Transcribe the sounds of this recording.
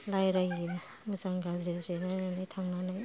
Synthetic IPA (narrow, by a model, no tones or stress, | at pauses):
lajɾaje | muzaŋɡazɾezɾenananajtʰaŋnanaj